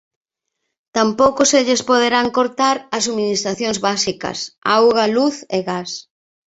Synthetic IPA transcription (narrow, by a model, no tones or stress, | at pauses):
t̪ampowkʊseʎɪspoð̞eɾaŋkoɾt̪aɾɐs̬uminist̪ɾaθjõŋzβasikɐ̰sa̰wɣɐluθeɣas